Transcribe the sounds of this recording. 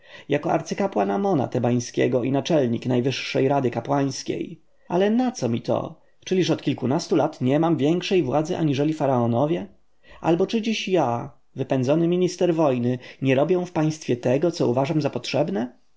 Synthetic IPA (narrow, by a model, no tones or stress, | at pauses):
jakɔa̰ɾt̪sɘkapwanamɔna̰t̪ɛbaj̃skʲɛ̰ɡɔʔinat͡ʂɛlɲiknajvɘʂːɛjɾad̪ɘkapwaj̃skʲḛj | alɛnat̪sɔmʲit̪ɔ̰ | t͡ʂɘlʲiʂɔt̪kʲilkunast̪ulat̪ɲɛmamvʲjɛŋkʂɛjvwad̪zɘʔa̰ɲiʐɛlʲifaɾaɔnɔvʲjɛ | ʔa̰lbɔt͡ʂɘd͡ʑiɕja | vɘpɛnzɔnɘmʲiɲist̪ɛɾvɔjnɘɲɛɾɔbʲjɛw̃fpaj̃st̪fʲjɛt̪ɛɡɔt̪sɔuvaʐamzapɔtʂɛbnɛ